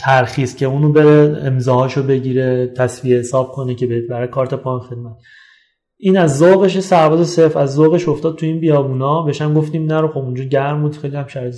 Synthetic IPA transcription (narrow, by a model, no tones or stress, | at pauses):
t̪ʰæɾxiːscʰe̞uːnobe̞ɾeemzɒːhɒːʃobe̞ɟiɾe̞t̪ʰæsviehesɒːb̚kʰo̞necʰebebæɾɒjkʰɒːɾt̪ʰe̞pʰɒːnxed̪̚mæt̪ | ʔiːnæzːoːɣe̞ʃ̬esæɾvɒːzese̞ɾfæzːoɣe̞ʃo̞ft̪ɒːd̪̥̚t̪ʰuiːnbijɒːbuːnɒːbeʃæmɡoft̪iːmnæɾoxobund͡ʒɒːɟæɾmbuːd̪xejliæmʃæɾ